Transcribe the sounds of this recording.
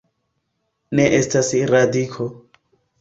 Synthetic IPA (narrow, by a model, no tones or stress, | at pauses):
neʔestasɾadikʰo